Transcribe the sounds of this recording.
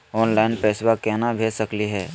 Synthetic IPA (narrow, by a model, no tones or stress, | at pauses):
ɔːnlaɪnpɛːswakɛɦnabʱeːsəkliɦɛː